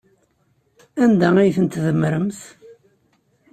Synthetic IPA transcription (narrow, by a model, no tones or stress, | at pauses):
ænd̪ææjθənt̪ðəmːɾəmθ